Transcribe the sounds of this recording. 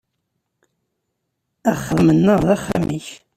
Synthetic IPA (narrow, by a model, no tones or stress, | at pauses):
æχːəmənːəðˤaχa̰mʔḭç